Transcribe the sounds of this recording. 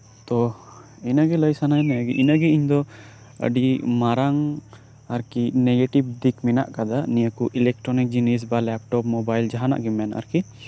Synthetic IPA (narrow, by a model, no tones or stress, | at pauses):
t̪ɔ | inaɡɛləjsanajnaɡɛʔinaɡɛiɲd̪ɔ | ə̰ɖimaɾaŋ | aɾkinɛɡeʈibd̪ikmina̰ʔkad̪anijəkuʔilɛk̚ʈɾɔnik̚d͡ʒinis̬balɛp̚ʈɔp̚mɔbajld͡ʒaɦana̰ʔɡɛmɛna̰ɾki